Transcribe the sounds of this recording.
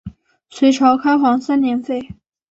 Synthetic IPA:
sʰwe˧˥ɪʈ͡ʂʰɑ˧˥ʊkʰa˥ɪxwɑ˧˥ŋsa˥njɛ˧˥nfe˥˩ɪ

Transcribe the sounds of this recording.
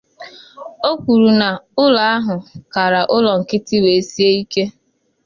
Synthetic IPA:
o˦kʷu˨ɾu˨na˨ʊ˦la˨a˦ɦʊ˨ka˨ɾa˨ʔʊ˦lɔ˨ŋ̩˨kɪ˦tɪ˦we˨e˦si˦e˦i˦ke˦

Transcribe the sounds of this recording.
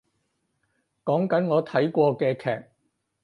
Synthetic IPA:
kɔː˨˥ŋkɐ˨˥nŋɔː˨˧t̪ʰɐ˨˥jkʷɔː˧kɛː˧kʰɛ̰ː˨k̚

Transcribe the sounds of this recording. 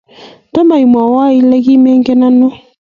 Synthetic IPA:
tɔ˦ma˨i˨mwa˨wa˦i˦lɛ˦ɣi˦mɛ˦ŋɡɛ˦na˦nɔ˦

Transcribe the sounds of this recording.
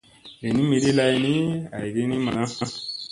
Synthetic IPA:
ɾe˨nĩ˦mi˧ɾi˦la˧i˧nĩ˦a˨ji˨ɾi˦ni˦ma˨nã˦sã˦s

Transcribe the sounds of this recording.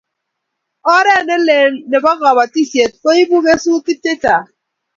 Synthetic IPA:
ɔ˦ɾɛ˦˨ne˦le˨le˨ba˦ɣɔ˨ba˨ti˦sje˨t̚ko˦i˦bu˦me˦su˦ki˦tːe˦ta˨

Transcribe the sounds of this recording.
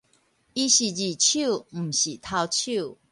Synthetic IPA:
i˦ɕi˨d͡ʑi˨t͡ɕʰu˥˨˩ɕi˨t̪ʰa˥˧ʊt͡ɕʰu˥˨

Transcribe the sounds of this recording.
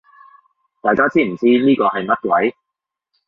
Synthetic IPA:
t̪aː˨jkaː˥t͡siː˥m̩˨˩t͡siː˥niː˥kɔː˧hɐ˨jmɐ˥t̚kwɐ˨˥j

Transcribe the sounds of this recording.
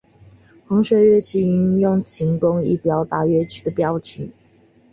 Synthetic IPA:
xɤ˧˥ŋɕɥɛ˧˥ɥɛ˥˧t͡ɕʰi˧˥i˧˥njʊ˥˨ŋt͡ɕʰi˧˥ŋkʊ˦ŋḭ˧˥pjɑ˧˥ʊt̪a˥˩ɥɛ˥˦t͡ɕʰy̥˥˩d̪ə˨pjɑ˥ʊt͡ɕʰi˨˦ŋ

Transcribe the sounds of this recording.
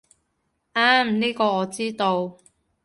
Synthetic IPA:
ʔaː˥mniː˥kɔː˧ɔː˨˧t͡siː˥t̪o˧w

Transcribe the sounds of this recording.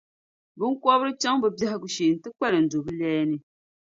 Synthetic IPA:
bɨ˦ŋ˦kʷɔ˦bɨ˦ɾɨ˦t͡ʃa˦ŋbɨ˨ba˦hɪ˦ɡu˨ʃi˨n̩˨tɨ˦k͡pɛ˦lɨ˨n̩˨do˨bɨ˦lɛː˦nɨ˦

